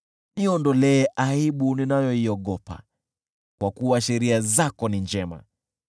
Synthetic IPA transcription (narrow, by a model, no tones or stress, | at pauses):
niɔndɔlɛɛʔaiɓuninajɔiɔɠɔpa̰ | kwakuwaʃɛɾiazakɔnind͡ʒɛma̰